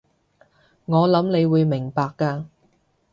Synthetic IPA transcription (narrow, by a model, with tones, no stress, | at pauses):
ŋɔː˨˧lɐ˨˥mne˨˧jwuː˨˧jmɪ˨˩ŋpaː˧kːaː˧